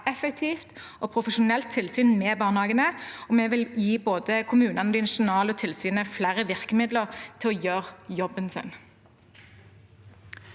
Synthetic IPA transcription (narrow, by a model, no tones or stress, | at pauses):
ɛfək̚t̪ʰiːft̪ | ɔpʰʁʊfəʃʊnɛlt̪ʰːɪlsyːnmɛːbɑːʁnhɑːɡənəɔmɛʋɪljiːboːd̪əkʰʊmʉːnɑnəd̪ɪnɑʂʊnɑːləɔt̪ʰɪlsyːnəflæːʁəʋɪʁkəmɪd̪ləʁt̪ʰɪlɔjøːʁjɔbənsə̰n